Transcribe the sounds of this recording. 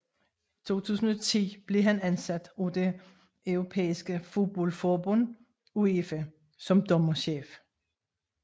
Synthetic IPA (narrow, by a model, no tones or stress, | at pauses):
t͡sʰo̝̰ːt͡sʰṵːs̬n̩ɒ̽t͡sʰḭːb̥le̝ɦænænsæd̥ɒd̥e | œʊʁo̝pʰḛːisɡ̥əfo̝d̥̚b̥ɒlfɒːb̥ɔ̽n̰ | uefə | sɒ̽md̥ɒ̽mɐɕḛːf